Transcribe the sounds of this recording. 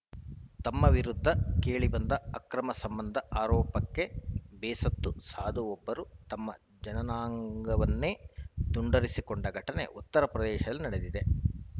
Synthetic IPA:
t̪ɐmːɐʋiɾud̪ʱːɐkeːɭibɐnd̪ɐɐkɾɐmɐsɐmbɐnd̪ʱɐʔaːɾɔːpɐkːe̞bɛːsɐt̪ːusaːd̪uɔbːɐɾut̪ɐmːɐ | d͡ʒɐnɐnaːŋɡɐʋɐnːe̞ːt̪uɳɖɐɾisikoɔɳɖɐɡʱɐʈɐne̞̰ʔut̪ːɐɾɐpɾɐd̪ɛːʃɐd̪ɐlːinɐɽed̪id̪e̞

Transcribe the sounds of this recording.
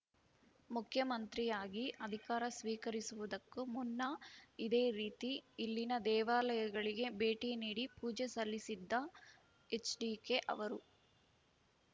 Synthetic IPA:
mukʰjɐmɐnt̪ɾijaːɡiʔɐd̪ʱikaːɾɐsʋiːkɐɾisuʋud̪ɐkːumunːɐid̪e̞ːɾiːt̪iːlːinɐd̪ɛːʋaːlɐjɐɡɐɭiɡe̞beːʈiniːɽipuːd͡ʒɛsɐlːisid̪ːɐ | et͡ʃɖiːke̞ʔɐ̰ʋɐɾu

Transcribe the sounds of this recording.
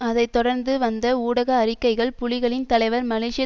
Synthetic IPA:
ɐðɐɪt̪ːɔɽɐɾnd̪ɯʋɐnd̪ɐuːɽɐɣɐːɾɪkːɐɪɣɐɭpʊɻɪɣɐɭɪnt̪ɐlɐɪʋɐɾmɐleːʂɪɐ

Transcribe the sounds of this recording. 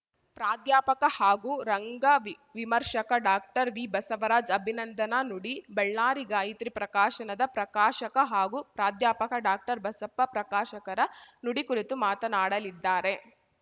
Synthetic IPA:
pɾaːd̪jaːpɐkɐhaːɡuːɾɐŋɡɐʋ | ʋimɐɾʃɐkɐɖaːk̚ʈɐɾʋibɐsɐʋɐɾaːd͡ʒɐbʱinɐnd̪ʱɐnanuɽibɐɭːaːɾiɡaːjit̪ɾipɾɐkaːʃɐnɐd̪ɐpɾɐkaːʃɐkɐɦaːɡuːpɾaːd̪jaːpɐkɐɖaːk̚ʈɐɾbɐsɐpːɐpɾɐkaːʃɐkɐɾɐnuɽikuɾit̪umaːt̪ɐnaːɽɐlid̪ːaːɾe̞

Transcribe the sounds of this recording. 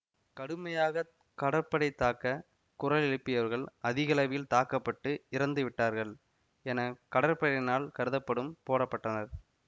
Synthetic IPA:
kɐɽɯmɐjaːɣɐ | kɐɽɐɾpːɐɽɐɪt̪ːaːkːɐ | kʊɾɐlɛɻɯpːɪjɐʋɐɾɣɐɭɐðɪɣɐlɐʋɪlt̪aːkːɐpːɐʈːɯɪɾɐnd̪ɯʋɪʈːaːɾɣɐɭ | ɛnɐkɐɽɐɾpɐɽɐɪnaːlkɐɾɯðɐpːɐɽɯmpoːɽɐpːɐʈːɐnɐɾ

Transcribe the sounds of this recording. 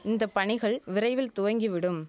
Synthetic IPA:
ɪnd̪ɐpːɐɳɪɣɐɭʋɪɾɐɪʋɪlt̪ʊʋɐŋɡiʋɪɽɯm

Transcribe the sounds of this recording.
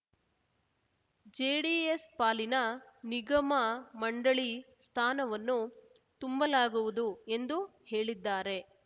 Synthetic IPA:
d͡ʒeːɽiːespaːlinɐniɡɐmɐmɐɳɖɐɭist̪ʰaːnɐʋɐnːu | t̪umbɐlaːɡuʋud̪ue̞nd̪uhe̞ːɭid̪ːaːɾe̞

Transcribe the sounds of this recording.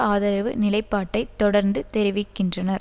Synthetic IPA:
aːðɐɾɐʋɯnɪlɐɪpːaːʈːɐɪt̪ːɔɽɐɾnd̪ɯt̪ɛɾɪʋɪkːɪndrɐnɐɾ

